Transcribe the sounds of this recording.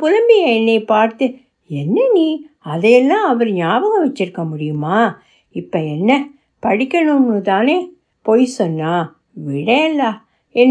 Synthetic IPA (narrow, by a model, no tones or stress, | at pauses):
pʊlɐmbɪjɐɛnːɐɪpaːɾt̪ɯ | ɛnːɐniː | ɐðɐjɛlːãːɐʋɐɾɲaːʋɐɣɐʋɐt͡ʃːɪɾɯkːɐmʊɽɪjɯmaː | ɪpːɐɛnːɐ | pɐɽɪkʲːɐɳɯŋɯt̪aːneː | poːjsɔnːaː | ʋɪɽɐlːaː | ɛnː